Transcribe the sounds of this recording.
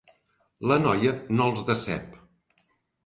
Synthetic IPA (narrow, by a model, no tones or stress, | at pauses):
lənɔjənolˠzðəsɛ̰p